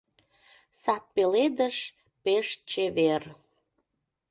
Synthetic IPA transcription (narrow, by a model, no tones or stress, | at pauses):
sɑt̪̚peled̪əʃ | peʃt͡ɕeβer